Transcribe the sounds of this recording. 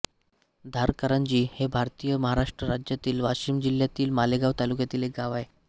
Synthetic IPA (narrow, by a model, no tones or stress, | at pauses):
d̪ʱaɾkəɾand͡ʑiːhebʱaɾt̪ijəməɦaɾaʂʈɾəɾad͡ʑjat̪iːlʋaɕiːmd͡ʑiljat̪iːlmaleɡaʋt̪alukjat̪iːlek̚ɡaʋae